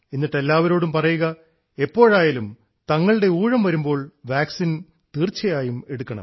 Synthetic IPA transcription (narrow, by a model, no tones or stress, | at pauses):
enːiʈːe̞lːaːʋɐɾo̞ːɽumpɐrɐjuɣɐ | e̞pːo̞ːɻaːjaːlum | t̪ɐŋːɐɭɨɽe̞uːɻɐmʋɐɾumbo̞ːɭʋaːksin | t̪iːrt͡ɕːɐjaːjume̞ɽukːɐɳɐ̰m